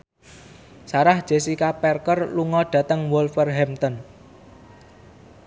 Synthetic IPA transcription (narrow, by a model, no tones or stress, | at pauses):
saɾahd̥ʒ̥e̤sikapɛrkərluŋɔɖ̥ä̤t̪əŋwɔlfərɦɛmt̪ən